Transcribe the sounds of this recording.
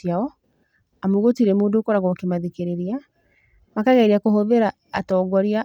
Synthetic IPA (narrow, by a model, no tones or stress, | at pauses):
aɔ | amoɣotiɾɛmoːndoːkɔɾaɣɔkemaðikeɾeɾia | makaɣaiɾiakoɦoðeɾaː | tɔːɡwɔɾia